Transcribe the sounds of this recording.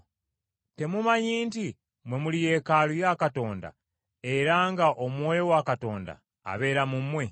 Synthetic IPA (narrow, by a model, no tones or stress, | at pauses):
te̞mumaɲiːnti | mwe̞mulije̞ːkalujakato̞ːnda̰ | e̞ɾaŋɡaʔomwewakato̞ːnda̰ː | βe̞ːɾamumwe̞